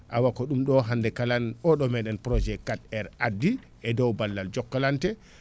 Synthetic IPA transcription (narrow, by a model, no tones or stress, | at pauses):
ʔawakɔɗumɗɔɦandɛkalanɔɗɔmɛɗɛnpɾɔd͡ʒɛkːatɛɾadːi | ʔɛdɔwbalːald͡ʒɔkːalantɛ